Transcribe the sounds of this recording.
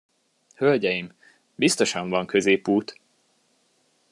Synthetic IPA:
hølɟɛjim | bist̪o̞ʃɒɱvɒŋkø̞zeːpuːt̪

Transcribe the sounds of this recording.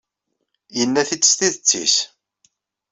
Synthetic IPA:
jənːæθit͡sːə̥st̪iðət͡sːḭs

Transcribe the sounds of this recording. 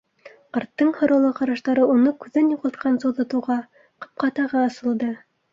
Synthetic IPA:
ɑɾt̪ːɤɴhŏɾŏlˠɤqɑɾɑʃt̪ɑɾɤunɤkʉðːænjuʁɤlˠt̪̚qʰɑnsowðɑt̪ɤ̆wʁɑ | qɤ̥̆p̚qɑt̪ɑʁɑːsɤ̆lˠd̪ɤ

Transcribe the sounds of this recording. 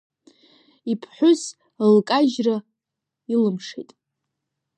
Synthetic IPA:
ipʰħʷʊs | lkʼaʒra | ilɨmʂḛjtʼ

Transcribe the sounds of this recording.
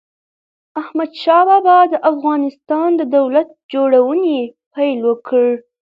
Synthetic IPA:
ahmad̪ʃɑbabad̪əʔafɣɑnɪst̪ɑnd̪əd̪awlat̪̚d͡ʒoɽawənepajlwəkʰəɽ

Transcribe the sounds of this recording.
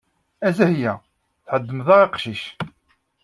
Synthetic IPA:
æzæhjæ | θħəd̪ːəmðɑʁeqʃiʃ

